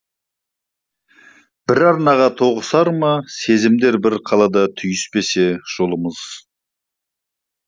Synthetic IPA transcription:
b̥ɪɾɑɾnɑʁɑt̪ʰo̞ʁəsɑɾmɑse̞zɪmd̪e̞ɾbɪɾqʰɑlˠɑd̪ɑt̪ʰʏjɪspe̞se̞ʒ̥o̞lˠəməz̥

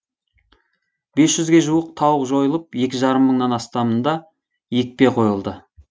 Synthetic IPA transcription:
b̥e̞sʒʏzɡʲe̞ʒuəq̚t̪ʰɑwəqʒo̞jəlˠəp̚je̞kʲɪʒɑɾəmːəɴnɑnɑst̪ɑmənd̪ɑ | je̞k̚pe̞qʰo̞jəlˠd̪ə

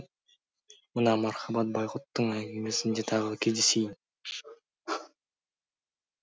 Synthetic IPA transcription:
mənɑmɑɾχɑbɑt̪̚bɑjqʊt̪ːəɴæɡʲemesɪnd̪et̪ʰɑʁəkʲʰezd̪esejɪn

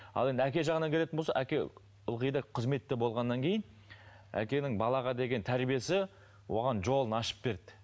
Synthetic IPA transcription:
ɑ̰lˠe̞nd̪ækʲe̞ʒɑʁənɑŋkʲe̞le̞t̪ɪnbolsɑ̰ʔækʲe̞ | ʊlˠʁəjd̪ɑqʰəzme̞t̪ːɪbo̞lˠʁɑnːɑŋkʲʰe̞jɪn | æ̰kʲe̞nɪŋbɑlˠɑʁɑd̪e̞ɡʲe̞nt̪ʰæɾbije̞sɪ | wo̞̰ʁɑnʒo̞lˠənɑʃə̥p̚b̥e̞ɾd̪ɪ̥

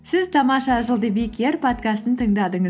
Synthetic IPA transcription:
sɪzt̪ʰɑmɑʃɑʒəlˠd̪əbekʲʰeɾpʰot̪̚kast̪ənt̪ʰəŋd̪ɑd̪əɴə

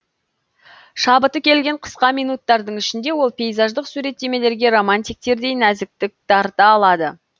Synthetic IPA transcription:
ʃɑbət̪əkʲʰe̞lɡʲe̞ɴqʰə̥sqɑmijnut̪ːɑɾd̪əɴʏʃɪnd̪e̞wo̞lˠpʲʰe̞jzɑʒd̪əqsuɾe̞t̪ːe̞me̞le̞ɾɡʲe̞romanʲt̪ijk̚t̪e̞ɾd̪e̞jnæzɪk̚t̪ɪk̚d̪̥ɑɾt̪əːlˠɑd̪ə

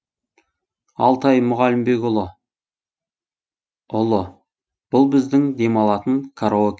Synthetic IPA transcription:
ɑlˠt̪ɑjmʊʁɑlɪmbe̞kʲʊlˠə | ʊlˠə | b̥ʊlˠbɪzd̪ɪŋd̪e̞mɑlˠɑt̪əɴkʰaɾookʲ

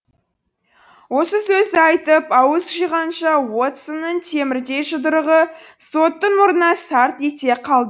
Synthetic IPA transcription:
wo̞səsɵzd̪ɪɑjt̪əpɑwəsʒijʁɑnʃɑwot̪sənːəɴt̪ʰe̞mɪɾd̪e̞jʒəd̪əɾəʁəso̞t̪ːənwoɾənɑsɑɾt̪et̪e̞qʰɑlˠd̪ə

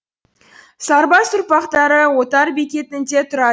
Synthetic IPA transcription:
sɑɾbɑsʊɾpɑqt̪ɑɾəwo̞t̪ɑɾbikʲe̞t̪ɪnd̪e̞t̪ʰʊɾɑ

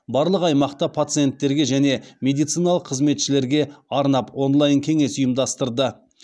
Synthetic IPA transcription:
bɑɾlˠəqɑjmɑqt̪ɑpʰat̪sɨje̞nt̪ːe̞ɾɡʲe̞ʒæne̞mʲe̞d̪ijt̪sijnɑlˠəqʰːəzme̞t̪ʃɪle̞ɾɡʲe̞ɑɾnɑpwo̞nlˠɑjnkʲʰe̞ŋe̞sʊjəmd̪ɑst̪əɾd̪ə

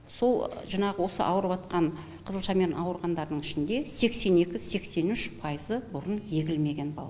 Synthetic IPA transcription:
so̞lˠʒɑɴɑʁəwo̞sə̰ʔɑ̰wəɾəpɑt̪qɑɴ | qʰəzəlˠʃɑme̞ɾnɑwəɾʁɑnd̪ɑɾd̪əɴɪʃɪnd̪e̞se̞kse̞ne̞kʲɪse̞kse̞nʏʃpʰɑjəzəbʊɾənje̞ɡʲɪlme̞ɡʲe̞nbɑ̰lˠɑ

